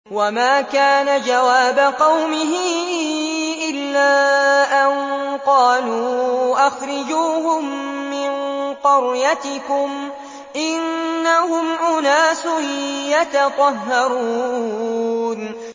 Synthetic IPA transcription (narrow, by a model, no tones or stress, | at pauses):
wamaːkaːnad͡ʒawaːbaqɑwmɪɦɪ | ʔɪlːaːʔanqɑːluːʔaxɾˤɑd͡ʒuːɦʊmːɪnqʊɾjat̪ɪkʊm | ʔɪnːahʊmʔʊnaːsʊjat̪ɑt̪ˤɑɦːɑɾuː | n